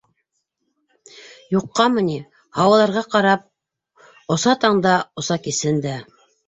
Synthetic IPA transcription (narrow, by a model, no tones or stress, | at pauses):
juqːɑmɤ̆ni | hɑwɑlˠɑɾʁɑqɑɾɑp̚ | ŏsɑt̪ɑɴd̪ɑŏsɑkisɘnd̪æ